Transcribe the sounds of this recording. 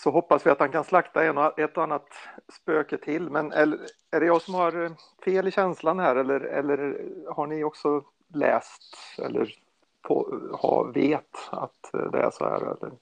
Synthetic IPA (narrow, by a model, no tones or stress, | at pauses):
sɔɦɔpːasvɪat̪hankʰanslakt̪aɛnɔɛt̪ːɔanːat̪spøːkət̪ʰɪlːmɛnɛl | æɖɛjɑːsɔmhaɾ | feːlɪɕɛnslanhæːɾɛlːəɾɛ̰lːəɾhaɳɪɔksɔ | lɛ̰ːst̪ɛ̰lːə̰ɾ | pʰohɑ̰veːt̪a̰t̪d̪ɛ̰æ̰ʂo̰ːæ̰ɾɛ̰lːəɾ